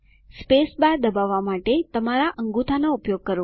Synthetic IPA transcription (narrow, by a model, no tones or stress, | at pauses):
spesbaɾd̪əbaʋːamaʈet̪əmaɾaʔəŋɡut̪ʰanoupjoɡ̚kəɾ